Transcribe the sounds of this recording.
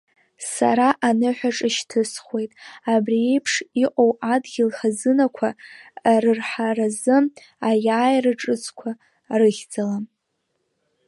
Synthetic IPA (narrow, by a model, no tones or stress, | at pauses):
saɾaʔanɨħʷᶣaʈ͡ʂʼɨʃtʰɨsχwe̞jtʼabrie̞jpʰʂiqʷʼowʔadɡʲɪlχazɨnakʷʰa | rɨrħarazɨ | ajaːjrɨʈ͡ʂʼɨt͡sʰʼkʷʰa | rɨɣʲd͡zalam